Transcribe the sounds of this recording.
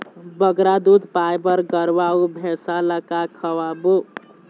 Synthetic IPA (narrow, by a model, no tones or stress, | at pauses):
bəɡɾad̪ud̪ʱpajbəɾɡəɾʋaubʱesaləkakʰəwabu